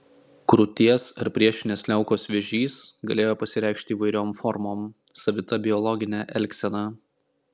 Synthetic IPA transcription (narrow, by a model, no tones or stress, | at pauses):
kɾʊt̪ʲiɛsɐɾpʲɾʲiɛʃʲɪnʲeːslʲɛʊkoːsʋʲeɛʒʲiːsɡɐlʲeːjoːpɐsʲɪɾʲæˑɪkʃʲt̪ʲɪːʋɐɪɾʲoːmfɔɾmoːm | sɐʋʲɪt̪ɐbʲɪɔlˠɔɡʲɪnʲæʔɛlʲksʲɛnɑ